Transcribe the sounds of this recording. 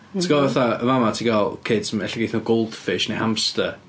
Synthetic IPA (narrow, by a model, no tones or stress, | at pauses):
tʰiɡavɛθaəvamatʰiɡalˠkʰɪd̥səmɛ̰ɬɛɡejθnaɡowlˠd̥fɪʃnejhamstə